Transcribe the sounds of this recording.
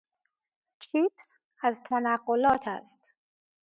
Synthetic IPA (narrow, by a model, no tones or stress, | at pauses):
t͡ʃʰʉps | əzt̪ʰanaqʊlɔtʰə̰st